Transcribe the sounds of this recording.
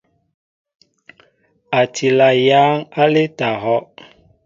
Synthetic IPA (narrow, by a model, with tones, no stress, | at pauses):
a˨tʰi˨la˨jaː˦ŋa˦le˦ta˨ɦɔ˦ʔ